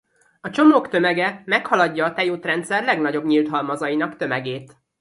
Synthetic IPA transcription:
ɒt͡ʃo̞moːkt̪ø̞mɛɡɛmɛkhɒlɒɟːɒːt̪ɛjoːt̪rɛnt̪sɛrlɛɡnɒɟo̞bɲiːlt̪ɦɒlmɒzɒjinɒkt̪ø̞mɛɡeːt̪

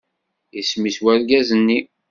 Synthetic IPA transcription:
ismiswælɡæzənːi

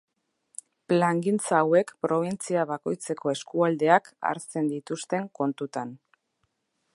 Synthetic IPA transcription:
plaŋɡint͡saːwe̞kpɾo̞β̞int͡siaβako̞jt͡se̞kʰo̞e̞skuald̪e̞aka̰ɾt͡se̞nd̪it̪ust̪e̞ŋko̞nt̪ut̪an

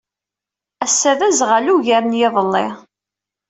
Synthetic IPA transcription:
æsːæðæzʁæluʝæmnjɪðˤəlːɪ

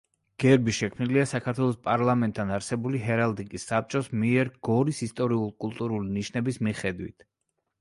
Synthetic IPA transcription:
ɡ̥ɛɾbiʃɛkʰmniliasakʰat̪ʰwɛlˠɔspʼaɾlˠamɛnt̪ʰːanaɾsɛbuliɦɛɾalˠd̪ikʼisːap̚t͡ʃʼɔsmiɛɾɡ̥ɔɾisist̪ʼɔɾiulˠkʼulˠt̪ʼuɾuliniʃnɛbismiχɛd̪wḭt̪ʰ

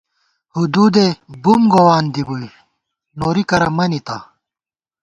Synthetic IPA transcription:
hud̪uːd̪ebumɡowaːnd̪ibui | noːɾikɐɾɐmɐnit̪a̰

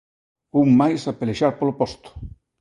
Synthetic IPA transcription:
uŋmajsapeleʃaɾpolopɔst̪ʊ̥

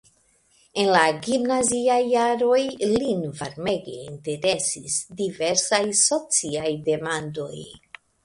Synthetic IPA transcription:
e̞nlaɡimnaziajːaɾo̞jlinvaɾme̞ɡe̞̰inte̞ɾe̞sisdive̞ɾsajso̞t͡siajde̞mando̞j

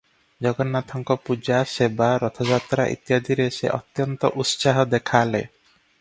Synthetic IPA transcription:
d͡ʒɔɡɔnat̪ʰɔŋkɔpud͡ʒasebaɾɔt̪ʰɔd͡ʒat̪ɾa̰ʔḭt̪jad̪iɾesḛʔɔ̰t̪jɔnt̪ɔ̰ʔut̪saɦɔd̪ekʰale

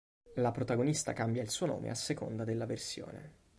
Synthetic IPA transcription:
lapɾot̪aɡonist̪a̰kambjailsuːono̰ːmḛasːeko̰nd̪ad̪elːaversjo̰ːnḛ

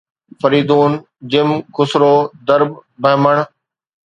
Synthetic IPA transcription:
fəɾiːd̪uːn | d͡ʑɪmkʊsɾoːd̪əɾbbɐɦməɳ̃

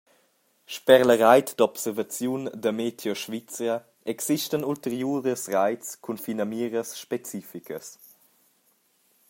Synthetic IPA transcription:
ʃpɛɾləɾajt̪d̪ɔpsɛɾvat͡sjundəmet̪ʰjɔʃvit͡sə | ɛksiʃtənult̪əɾjuɾəsrajt͡skʰunfinamiːɾəsʃpet͡sifikə̰s

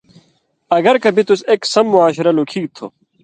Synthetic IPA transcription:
ɐɡɐɾkɐbit̪useːksɐmːuaːɕɾɐlukʰiːɡt̪ʰo̰

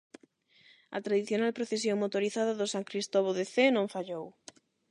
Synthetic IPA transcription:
ɐ̰t̪ɾaðiθjonalpɾoθes̬jõŋmot̪oɾiθaðaðʊsaŋkɾist̪ɔβ̞oðeθenõɱfaʎow

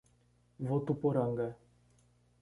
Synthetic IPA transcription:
vot̪upɔɾaŋɡa

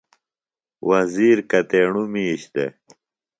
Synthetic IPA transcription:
wɐziːɾkɐt̪eːɳumiːɕd̪ḛ

